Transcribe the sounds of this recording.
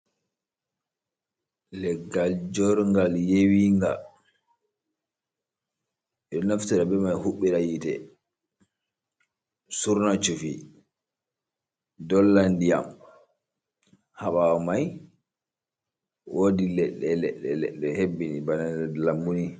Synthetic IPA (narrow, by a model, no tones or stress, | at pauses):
lɛɡːald͡ʒɔɾŋɡaljewiŋɡa̰ | ɛɗɔnaftɛɾabɛmajhuɓːiɾajitɛ̰ | suɾnat͡ʃufi | dɔlːandija̰m | haɓawamaj | wodilɛɗːɛlɛ̰ɗːɛlɛ̰ɗːɛhebːinibananlambuni